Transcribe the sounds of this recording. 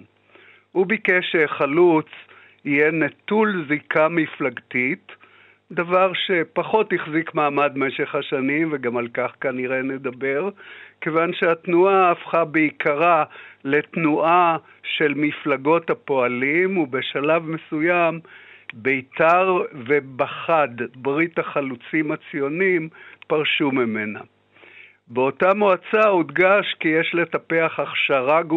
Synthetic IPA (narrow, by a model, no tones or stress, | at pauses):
ubikeʃeχalut͡s | hijenetulzikamiflaɡtit | davaʁʃe̞paχo̞tiχzikmaːmadme̞ʃe̞χhaʃanimveɡamalkaχkaniʁe̞ne̞d̪abe̞ʁkevanʃeatnuaːfχabeikʰaʁale̞tnuʔa | ʃe̞lmiflaɡo̞thapo̞alimubeʃalavme̞sujambeitaʁve̞baχad̪bʁitaχalut͡simat͡sijo̞nimpaʁʃumeme̞na̰ | beo̞tamoat͡saud̪ɡaʃkijeʃle̞tapeaχaχʃaʁaɡ